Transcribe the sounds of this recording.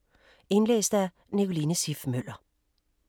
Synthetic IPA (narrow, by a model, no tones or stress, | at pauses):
ɪnlḛːsd̥̪əæ | niɡʊliːnəsifmølɐ